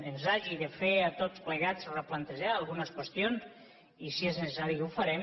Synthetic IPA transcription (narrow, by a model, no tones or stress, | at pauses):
enzaʒiðefeat̪ot͡spleɣat͡sreplant̪eʒaːlˠɣunəskwest̪jons | isieznesesaɾikufaɾɛm